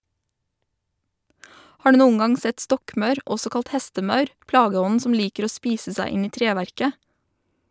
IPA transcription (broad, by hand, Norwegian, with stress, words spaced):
ˈhɑː ˈɖʉː ˈnuːən ˈɡɑŋ ˈsɛt ˈstɔkˌmœʉɾ ˈɔsɔ ˈkɑlt ˈhɛstəˌmɑʉɾ ˈplɑːɡəˌɔnn̩ ˈsɔm ˈliːkəɾ ˈoː ˈspiːsə ˈsæɪ ˈɪn ˈiː ˈtɾeːʋæɾkə